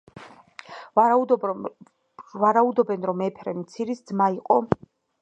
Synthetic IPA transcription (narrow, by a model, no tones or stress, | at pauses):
vaɾaud̪ɔbɛnɾɔmɛpʰɾɛmt̪sʰiɾisd̪zmaiqʼɔ